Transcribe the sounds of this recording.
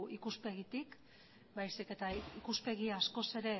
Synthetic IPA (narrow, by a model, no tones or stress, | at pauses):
ikuspe̞ɣit̪ik | bajsike̞t̪aikuspe̞ɣ̞iasko̞se̞ɾe̞